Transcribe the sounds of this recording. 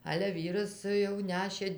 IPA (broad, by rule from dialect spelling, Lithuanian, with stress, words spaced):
ɐlʲɛ ˈʋʲiːrɐs jɛʊ ˈnʲæːʃʲeː